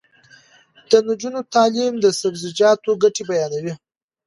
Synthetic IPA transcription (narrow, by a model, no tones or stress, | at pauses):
d̪̥ənud͡ʒunot̪ɑlimd̪əsabzɪd͡ʒɑt̪oɡaʈebajɑnawi